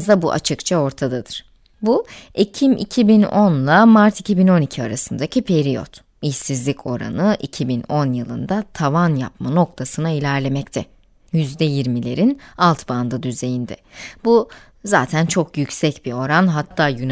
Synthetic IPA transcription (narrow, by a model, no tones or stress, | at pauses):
zd̪abuʔa̰t͡ʃʰɯkt͡ʃʰao̞ɾt̪ʰad̪ad̪ɯɾ̥ | buecʰimʔḭcʰibinonlˠamaɾt̪ʰicʰibino̞nicʰiaɾasɯnd̪acʰipʰeɾijo̰t̪ | içsizlʲicʰo̞̰ɾa̰nɯʔicʰibino̞njɯlˠɯ̰nd̪at̪ʰavanja̰pmano̞k̚t̪ʰasɯnailʲæɾlʲe̞mɛc̚t̪ʰɛ | jyzd̪ɛjiɾmilʲe̞̰ɾinalˠt̪ʰband̪ad̪yze̞jind̪ɛ̰bu | zaːt̪ʰænt͡ʃʰo̞kʰjycʲsɛcbio̞ɾanɦat̪ʰːaːjyn